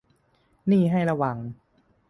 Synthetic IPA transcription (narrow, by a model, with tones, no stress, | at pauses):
niː˥˩ɦa˥˩jɾa˧wa˨˩˦ŋ